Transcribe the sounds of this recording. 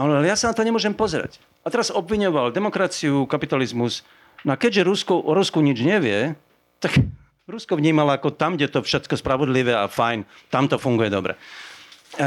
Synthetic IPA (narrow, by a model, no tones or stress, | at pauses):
alalɛjasanat̪ɔɲɛmʊɔʒɛmpɔzɛɾa̰c | at̪ɛɾazɔbʋiɲɔʋald̪ɛmɔkɾat͡siukapit̪alizmus | nakɛɟʒɛɾuskuʔɔɾuskuɲid͡ʒɲɛʋɪɛ | t̪ak | ɾuskɔʋɲiːmalaakɔt̪amɡɟɛt̪ɔfʃɛt̪kɔspɾaʋɔd̪liʋɛa̰fajn | t̪amt̪ɔfuŋɡujɛd̪ɔbɾɛ̰